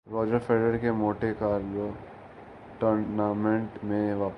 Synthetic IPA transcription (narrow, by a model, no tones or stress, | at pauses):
ɾɔːd͡ʒəɾfeːɖəɾkemoːʈekaːɾlo | ʈəɾnamẽɳʈmẽʋaːp